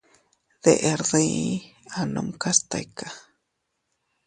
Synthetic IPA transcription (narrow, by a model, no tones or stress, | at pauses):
ðḛʔeɾðeiano̰mkast̪a̰jka